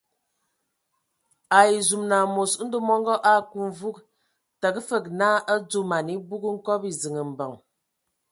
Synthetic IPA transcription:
a˨i˨zu˨mna˨mo˨sn̩˦də˦mɔ˦ŋɡɔ˦ʔa˦˨ku˦ɱ˨vu˦k | tə˨kfə˦˨k̚na˦ʔə˦d͡zu˦ma˨ni˦bu˦kŋ̩˦kɔ˦pi˨zi˨ŋə˨m̩˨bə˨ŋ

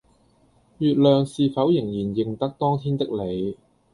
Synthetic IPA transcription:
jyː˨˧t̚lœː˨ŋsiː˨˧fɐ˨˥wjɪ˨˩ŋjiː˨˩njɪ˨ŋt̪ɐ˥k̚t̪ɔː˥ŋt̪ʰiː˥nt̪ɪ˥k̚le˨˧j

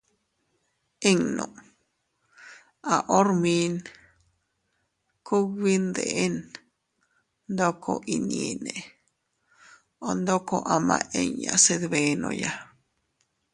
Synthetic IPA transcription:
e˦ŋnõ˨ | a˨ʔo˦ɾmi˧n | ku˦ɡi˦nd̪e˨ʔe˦n | nd̪o˦kʰo̰˧ʔi˧˨ni˧ne˨ | o˨nd̪o˦ko˦˧ʔa˧mã˧ʔe˧ɲja˨se˧d̪βe˧nõ̰˧ja˧

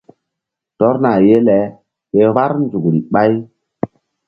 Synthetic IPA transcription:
tɔ˦ɾna˨je˦lɛ˨˦ | ɓe˨βa˦ɾnd͡ʒu˨kɾi˨ɓa˦j

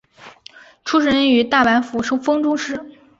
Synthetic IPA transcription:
ʈ͡ʂʰu˥ʂ̬ɻə˧˥ɻə˧˥ny˨˧˥t̪a˥˩pa˧˥nfu˧˥ʂŋfɤ˥ŋʈ͡ʂʊ˥ŋʂɻ̩˥

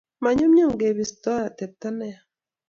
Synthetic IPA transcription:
ma˨ɲo˦mɲo˦˨ŋɡe˨βi˨stɔ˦a˦˨tɛ˨tːa˦nɛ˦a˨

